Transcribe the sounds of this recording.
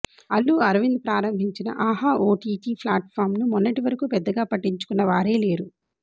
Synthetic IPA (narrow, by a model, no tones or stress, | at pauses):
ɐlːuɐɾʋind̪̚pɾaːɾɐmbʱiɲt͡ʃinɐ̰ʔaːɦaːʔoːʈiːʈiːpʰlaːʈfʰaːɾmnumunːɐʈiʋɐɾɐkuːpɛd̪ːɐɡaːpɐʈːiɲt͡ʃu̥kunːɐʋaːɾe̞ːle̞ːɾu